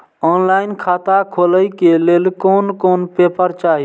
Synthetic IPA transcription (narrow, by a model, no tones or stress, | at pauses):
ɔːnlaːɪnkʰaːt̪akʰoːləikeleːlkoːnkoːnpeːpəɾt͡ʃaːɦi